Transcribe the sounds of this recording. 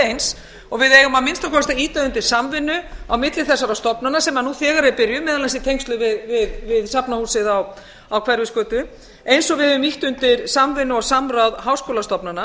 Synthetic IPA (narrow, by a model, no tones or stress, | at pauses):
ejns | ɔɣvɪðeːjɣʏmamɪnst̪akʰɔst̪aiːt̪aʏnt̪ɪɾ̥samvɪnːʏawmɪt̪lɪθɛsːaɾawst̪ɔpnanasɛmanuθɛːɣaɾɪpɪɾjʏmːɛːðalansit̪ʰejŋkst̪lʏvɪðvɪðvɪðsapnahuːsɪðaw | awkʰvɛɾvɪskœːt̪ʏ | ejnsɔɣvɪðɪvʏmiht̪ʏnt̪ɪɾsamvɪnːʏɔɣsamɾawðɦaːwskoːlast̪ɔpnana